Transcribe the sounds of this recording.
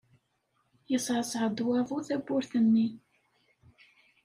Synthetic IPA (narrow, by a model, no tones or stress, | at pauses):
jəsʕəsʕəd̪wævˤʊθæbːʊɾθənːi